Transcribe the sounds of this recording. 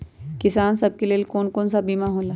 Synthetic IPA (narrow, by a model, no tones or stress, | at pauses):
kɪsaːnsɐb̚keleːlkoːnkoːnsabiːmaɦoːlaː